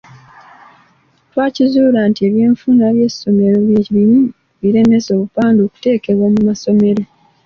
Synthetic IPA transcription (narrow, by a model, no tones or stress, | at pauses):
twaːcizuːlaːntie̞βjeːɱfunaβje̞so̞me̞ɾo̞βjeβimu | βiɾe̞ne̞so̞ːβupaːndoːku̥te̞ːke̞βwoːmumaso̞me̞ɾo̞